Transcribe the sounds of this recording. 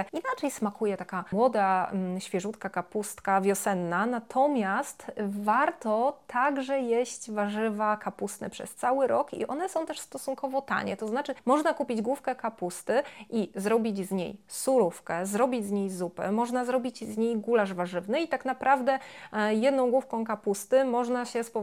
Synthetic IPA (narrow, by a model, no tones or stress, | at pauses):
inat͡ʂɛjsmakujɛt̪akamwɔd̪aɕfʲjɛʐut̪kakapust̪kavʲjɔsɛnːanat̪ʰɔmʲjast̪vaɾt̪ɔt̪ʰaɡʐɛjeɕt͡ɕvaʐɘvakapust̪nɛ̰pʂɛ̰st̪sawɘɾɔkḭʔɔ̰nɛsɔ̃w̃t̪ɛʂst̪ɔsuŋkɔvɔt̪a̰ɲɛ̰t̪ɔznat͡ʂɘmɔʐnakupʲid͡ʑɡwufkɛkapust̪ɘʔizɾɔbʲid͡ʑzɲḛjsuɾufkɛzɾɔbʲid͡ʑʲzɲejzupɛ̰mɔʐnazɾɔbʲit͡ɕzɲejɡulaʐvaʐɘvnɘit̪aknapɾʔavd̪ɛjɛd̪nɔ̃w̃ɡwufkɔ̃w̃kapust̪ɘmɔʐnaɕɛspɔ